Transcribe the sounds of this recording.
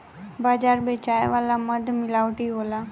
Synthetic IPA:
baːd͡ʒaːɾbet͡ʃajʋalaməd̪ʱmɪlaːʋʈiɦola

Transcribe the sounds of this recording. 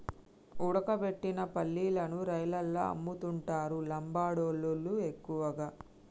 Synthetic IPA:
uɽɐkɐpe̞ʈːinɐpɐlːiːlɐnuɾɐjlɐlːɐɐ̰mːut̪uɳʈaːɾulɐmbaːɽoːlolːue̞kːuʋɐɡaː

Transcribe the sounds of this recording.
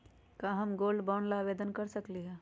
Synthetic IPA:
kaɦɐmɡoːlɖbɔːnlaːʋeːd̪ənkɐɾsɐkliɦɛː

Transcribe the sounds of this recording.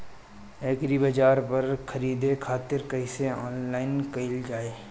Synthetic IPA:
eːkɾibɐd͡ʒaːɾpɐɾkʰɐɾiːd̪ekʰaːt̪ɪɾkɐɪseɔːnlaːɪnkɐɪld͡ʒaːeː

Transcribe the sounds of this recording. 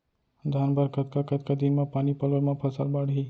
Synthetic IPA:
d̪ʱaːnbəɾkət̪̚kakət̪̚kad̪inmãpaːnipɐlʋəɾmãpʰɐsalbaːɽɦiː

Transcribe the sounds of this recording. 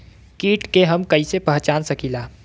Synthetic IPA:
kiːʈkeɦɐmkɐisepəɦt͡ʃaːnsɐkilaː

